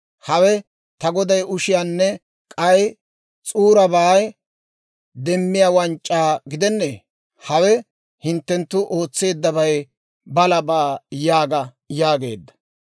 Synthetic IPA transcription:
hɐwɛ | t̪ɐɡɔd̪ɐjʊʃɪjaːnːɛ | kʼɐj | t͡sʼuːɾɐbaːj | d̪ɛmːɪjaːwɐnt͡ʃʼːaːɡɪd̪ɛnːḛː | hɐwɛ | hɪnt̪ːɛnt̪ːʊʔo̞ːt͡sːe̞ːd̪ːɐbɐj | bɐlɐbaːjaːɡɐ | jaːɡe̞̰ːd̪ːɐ̥

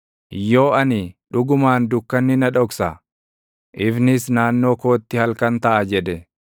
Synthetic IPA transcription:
jːo̞ːʔɐnɪᶑʊɡʊmaːnd̪ʊkːɐnːɪnɐᶑɔksɐ | ʔɪvnɪsnaːnːo̞ːko̞ːt̪ːɪhɐlkɐnt̪ɐʔɐd͡ʒɛd̪ɛ

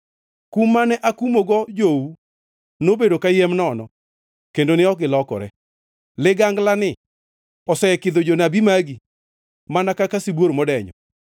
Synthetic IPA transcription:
kumːanɛʔakumoɡɔd͡ʒou | nobedokajɛmnɔnɔ̰ | kendonɪɔɡɪlɔkɔ̰ɾɛ | lɪɡaŋɡlanɪ | ɔsɛɛkɪd̪od͡ʒonabimaɡi | manakakasibwoɾmɔdɛɲɔ̰

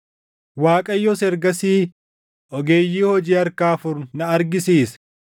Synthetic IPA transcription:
waːkʼɐjːɔsɛɾɡɐsiː | ʔɔɡeːjːiːhɔd͡ʒiːɐɾkaːfʊɾnɐɐɾɡɪsiːs

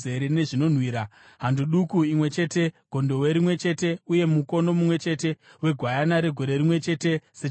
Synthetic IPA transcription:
eɾene̞ʐino̞n̤wiːɾa | ɦanduɗukuimwe̞t͡ʃe̞ːte̞ɡ̥ʱo̞ndo̞weɾimwe̞t͡ʃe̞te̞uje̞muko̞no̞mumwe̞t͡ʃe̞ːte̞we̞ɡʱwajanaɾe̞ɡʱo̞ɾe̞ɾimwe̞t͡ʃe̞te̞se

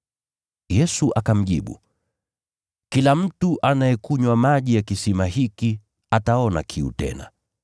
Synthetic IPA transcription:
jɛsuʔakam̩ʄiɓṵ | kilam̩tuʔanajɛkuɲwamaʄijakisimaɦiki | ataɔna̰kʰiṵtɛ̰na̰

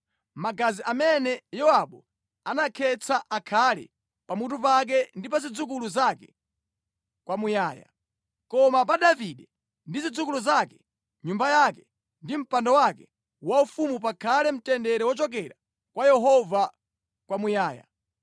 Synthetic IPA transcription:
maɡaziʔamɛnɛjɔaɓɔ | anakʰɛt͡sʰaʔakʰalɛ̰ | pamut̬upak̬ɛndipazid͡zuk̬uluzakɛ | kwamujaːja̰ | kɔmap̬aɗaviɗɛ | ndizid͡zukuluzakɛ̥ | ɲumbajakɛ | ndim̩pandɔwakɛ | waufumup̬akʰalɛm̩tɛndɛɾɛwɔt͡ʃɔk̬ɛɾa | kwajɛɦɔva | kwamujaːja̰

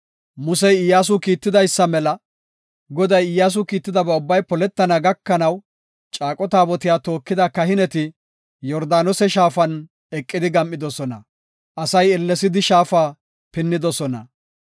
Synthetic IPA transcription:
mʊsɛjɪjːaːs̬ʊkiːt̪ːɪd̪ɐjsːɐmɛlɐ | ɡɔd̪ɐjɪjːaːs̬ʊkiːt̪ːɪd̪ɐbɛʊbːɐjpɔlɛt̪ːɐnɐɡɐkːɐnɐw | t͡ʃʼaːkʼɔt̪aːbɔt̪ɪjaːt̪o̞ːkːɪd̪ɐkɐhɪnɛt̪ɪ | jɔɾd̪aːnɔsɛʃaːfɐn | ɛkʼːɪd̪ɪɡɐmʔːɪd̪ɔsɔnɐ̰ | ʔɐsɐjɛlːɛsɪd̪ɪʃaːfaː | pɪnːɪd̪ɔsɔnɐ̰

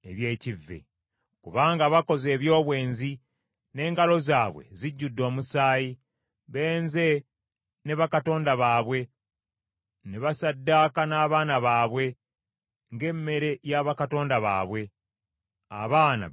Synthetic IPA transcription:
eβje̞ːcivːḛ | kuβaːŋɡaβako̞ze̞ːβjo̞ːβwe̞ːnzi | ne̞ːŋɡalo̞zaːβwe̞̰ziɟːudːo̞ːmusaːji | βe̞ːnze̞ | ne̞βakato̞ːndaβaːβwe̞ | neβasadːakanaːβaːnaβaːβwe̞ | ŋɡe̞mːe̞ɾe̞jaβakato̞ːndaβa̰ːβwe̞ | a̰βaːna̰

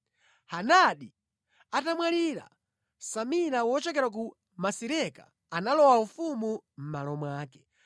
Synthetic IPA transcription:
hanaɗi | atamwaliɾa̰ | samiɾawɔt͡ʃɛk̬ɛɾak̬u | masiɾɛka̰ː | nalɔwaufumum̩malɔmwaːkɛ̥

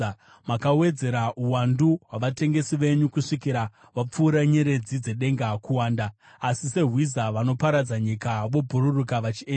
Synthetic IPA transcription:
makawe̞d͡ze̞ɾauwanduɦwaʋate̞ŋɡe̞siʋe̞ɲukuʂikiɾa | ʋap͡fuːɾaɲeɾe̞d͡zid͡ze̞ɗe̞ŋɡakuwaːndaː | sise̞ɦwizaʋano̞paɾad͡zaɲikaʋo̞bʱuɾurukaʋat͡ʃie

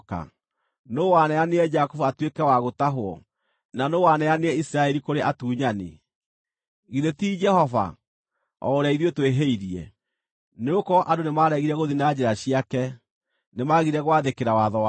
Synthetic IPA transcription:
ka̰ | nowanɛaneɛd͡ʒakofuatwekɛwaɣotaɦoɔ̰ | nanowanɛaneɛisiɾaɛɾikoɾeʔatuːɲanḛ | ɣiðetiːd͡ʒɛhɔva̰ | ɔ̰oɾaiðietweɦeiɾiɛ̰ | neokɔʔadonemaːɾɛɣiɾɛɣoðinad͡ʑeɾaɕiakɛ | nemaɣiɾɛɣwaðekeɾawaðɔa

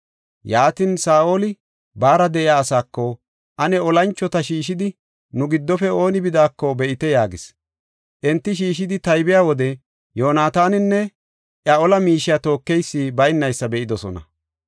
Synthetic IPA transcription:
jaːt̪iːnsaːʔoːlɪ | baːɾɐd̪ɛɪjaːsaːkːɔ | ʔɐnɛɔlɐnt͡ʃːɔt̪ɐʃiːʃ̬ɪd̪ɪ | nʊɡɪd̪ːɔfɛo̞ːnɪbɪd̪aːkːɔbɛʔɪt̪ɛjaːɡɪs | ʔɛnt̪ːɪʃ̬iːʃɪd̪ɪt̪ɐjbɪjaːwɔd̪ɛ | jo̞ːnaːt̪aːnɪnːɛ | ʔjɐɔlɐmiːʃɪjaːt̪o̞ːkːɛjsːiːbɐjɪnːɐjsːɐbɛʔɪd̪ɔsɔ̰nɐ̰

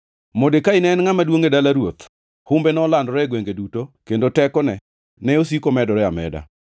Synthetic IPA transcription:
modekaɪnɛnŋamadwoŋedalaɾwot̪ | hʊmbenɔlandɔɾɛɡweŋɡedutokendotɛkɔnɛ | nɛos̬ikomɛdɔɾɛamɛ̰da̰

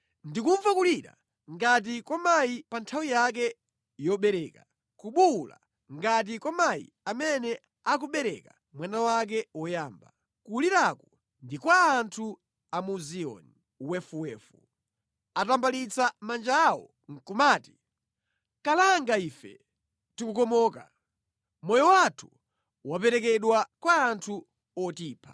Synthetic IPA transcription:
ndikuɱvakuliɾa̰ | ŋɡat̬ikwɔmajipantʰawijak̬ɛ | jɔɓɛɾɛka | kuɓula̰ | ŋɡat̬ikwɔmajḭ | amɛnɛ | ak̬uɓɛɾɛ̰ka | mwanawak̬ɛwɔjaːmba̰ | kuliɾakɔ | ndikwaːntʰu | amuziɔ̰ni | wɛfuwɛːfu | atambalit͡samand͡ʒaːwɔ̰ | ŋ̩kumaːti̥ | kalaŋɡaiːfɛ̰ | tikukɔmɔːka̰ | mɔjɔwatʰu̥ | wapɛɾɛkɛɗwakwaːntʰu | ɔtiːpʰḁ

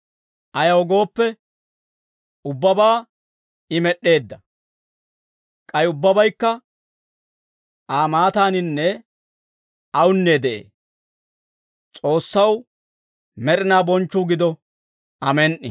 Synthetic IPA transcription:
ʔɐjɐwɔɡo̞ːpːɛ | ʊbːɐbaː | ɪmɛɗːe̞ːd̪ːɐ | kʼɐjʊbːɐbɐjkːɐ | ʔaːmaːt̪aːnɪnːɛ | ɐwʊnːeːd̪ɛʔḛː | t͡sʼo̞ːsːɐw | mɛɾɪnaːbɔnt͡ʃːʊɡɪd̪ɔ | ɐmɛnʔɪ̰

